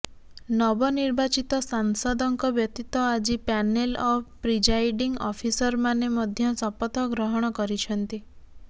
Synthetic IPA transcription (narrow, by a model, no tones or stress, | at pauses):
nɔbɔniɾbat͡ʃit̪ɔsansɔd̪ɔŋkɔbjɔt̪it̪ɔad͡ʒipanelɔpɾid͡ʒajɖiŋɡɔ̰pʰisɔɾmanemɔd̪ʱjɔsɔpɔt̪ɔɡɾɔɦɔɽ̃ɔkɔɾit͡ʃʰɔnt̪i